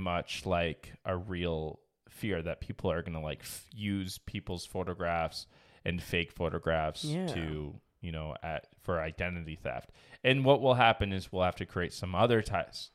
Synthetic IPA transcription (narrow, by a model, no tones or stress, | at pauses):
mʌt͡ʃlaɪkʔɨɹilˠ | fɪɹðɨt̚pʰipʰl̩ˠə˞ɡʌnəlaɪkfjʉz̥pʰipl̩ˠz̥foʊɾɨɡɹæfsɨ̃nfeɪkfoʊɾɨɡɹæfstʰɨ | jɨñoʊʔæt̚fə˞aɪdɛ̃nɨɾiθæ̰ft̚ | ɨ̃nwʌʔ̚wəlˠɦæpɨ̃nɨzwilˠhæftɨkʰɹ̥ieɪtsʌ̃mʌðə˞tʰaɪps